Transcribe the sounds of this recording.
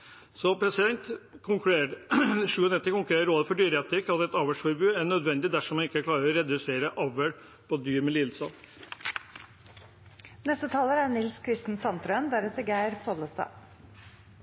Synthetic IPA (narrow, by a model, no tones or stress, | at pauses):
sɔpʰɾɛsɪd̪ɛnt̪kʰʊŋkʉeːɾʂʉːɔnɛt̪ːəkʊŋkʉɾeːəɾoːd̪əfɔɖyːɾɛt̪ɪkɑt̪ɛt̪ɑʋəʂfɔɾbʉːæɳœd̪ʋɛnd̪ɪd̪æʂɔmɑnɪkːəkʰlɑːɾəɾɔɾɛd̪ʉseːɾəʔɑʋəɽ | pʰɔd̪yːɾmɛlɪːlsɑ | nɛst̪ət̪ʰɑːləænɪlskʰɾɪst̪n̩sɑnt̪ɾœənd̪æɾɛt̪ːəɾɡæɪɾfɔːd̪ləst̪ɑ̰ː